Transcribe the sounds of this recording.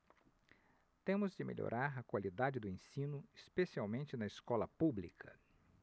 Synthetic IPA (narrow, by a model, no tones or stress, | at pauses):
t̪ẽmʊzd͡ʒɪmḛlʎo̰ɾʔaɾɐkwalid̪ad͡ʒɪd̪ʊẽsĩnʊɪspesiawmẽnt͡ʃɪnɐɪskɔlɐpublḭkʰɐ̰